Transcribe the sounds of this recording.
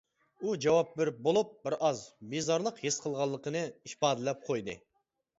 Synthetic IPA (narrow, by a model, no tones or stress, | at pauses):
ud͡ʒɛwɑp̚beɾɪp̚bolˠup̚bɪɾʔɑzbizɑɾlˠəqjesqʰəlˠʁɑlˠːəqənɨiʃpɑːd̪ɪlɛp̚qʰojd̪ɨ̰